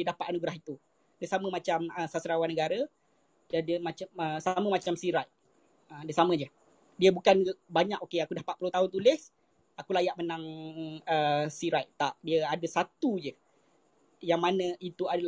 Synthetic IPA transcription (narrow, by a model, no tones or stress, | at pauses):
dədapat̪anuɡɾaɦit̪u | dəsamə̃mat͡ʃaməsasɾawanəɡaɾə | d͡ʒadiəmat͡ʃaəsamə̃mat͡ʃamsiɾaʔ | ədiəsamə̃d͡ʒə | diəbukanbaɲakokeakudahpatʔ̪̚pulot̪aɦʊnt̪ulɪs | akulajaʔmənãŋəsiɾajʔt̪aʔdiəadəsat̪ud͡ʒə | jaŋmanə̃it̪uada